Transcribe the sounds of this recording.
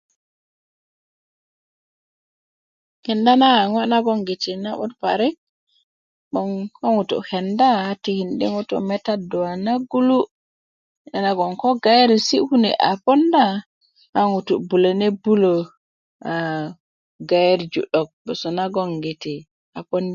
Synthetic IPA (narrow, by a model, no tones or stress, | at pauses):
hɛndanaŋanaɡɔŋɡetinaɓɔ̰tpa̰ɾik̚ | ɓɔnkɔŋutɔ̰hɛndahatihindiŋutɔ̰mɛtadɔwanaɡulu | ɛnaɡɔnkɔɡajɾisihunɛ̰ʔa̰pɔnda | aŋutubulanɛbulɔ | a | ɡajeɾd͡ʒṵɗɔk̚bɛsɔnaɡɔnɡeti | apɔnda